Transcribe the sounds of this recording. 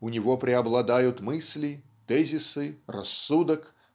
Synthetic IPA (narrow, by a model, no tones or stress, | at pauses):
ʊnʲɪvopɾʲɪɐblˠɐd̪ajʊt̪mɨsʲlʲi | t̪ɛzʲɪsɨrɐ̰sːud̪ək